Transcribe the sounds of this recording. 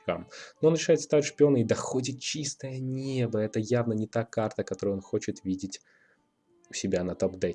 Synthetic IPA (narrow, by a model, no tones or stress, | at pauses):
ka̰mnoonɾʲɪʂajɪt̪st̪avʲɪt̪ʲʂpʲɪo̞nəɪd̪ɐxo̞dʲɪt̪̚t͡ɕist̪əjənʲebəɛt̪əjavnənʲɪt̪akart̪əkɐt̪o̞ɾɨjo̞nxo̞t͡ɕɪt̪vʲidʲɪtʲ | ʊsʲɪbʲanɐt̪opd̪ɛ